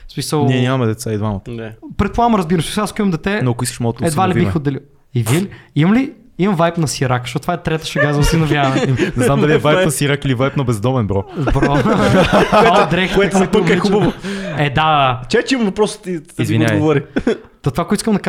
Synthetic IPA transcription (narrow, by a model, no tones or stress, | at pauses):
smisəlˠniɛnʲamɐmɛd̪ɛt̪said̪vamət̪pɾɛt̪̚plˠavmɾɐzbiɾɐmsmis̬lˠaskʊimɐmd̪ɛt̪ɛnoɐkʊiskə̥ʃmɔt̪ɛd̪valiiixod̪ɛli | iviliimɐmli | imɐmvajpnɐsiɾakʃoɔt̪t̪vaɛt̪ɾɛt̪ə̥ʃɐɡazəsinɐvjanɐnɛznamnd̪ɐliɛvajpnɐsiɾakilivajpnɐbɛzd̪ɔmɛnbɾɔbɾɔ | d̪ɾɛk̪ɛk̪pəɛixubəvoɛd̪at͡ʃɛt̪t͡ʃimɐmvɐpɾɔst̪ʊ̥t̪iizvinɲʲaɡvɔɾi | t̪ot̪ovakoɛt̪iskəmd̪ɐka